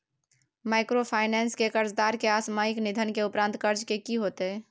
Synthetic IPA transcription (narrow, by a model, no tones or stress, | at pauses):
majkɾopʰaɪnɛnskekəɾd͡ʒd̪aɾkeasmajiknid̪ʱənkeupɾãːnt̪kəɾd͡ʒkekiɦot̪e